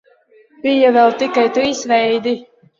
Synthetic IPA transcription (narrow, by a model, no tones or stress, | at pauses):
bijavɛlt̪ikajt̪uisvɛjd̪i